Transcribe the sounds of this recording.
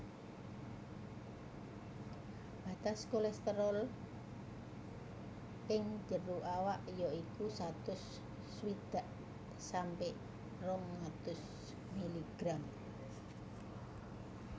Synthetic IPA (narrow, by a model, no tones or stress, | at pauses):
b̥a̤t̪askolɛst̪əɾɔl | ʔɪŋd͡ʒəɾuʔawaʔjɔikusat̪ʊsː | wid̪̥a̤ʔ | sampɪʔ | rɔŋːat̪ʊs | miliɡ̥ɾam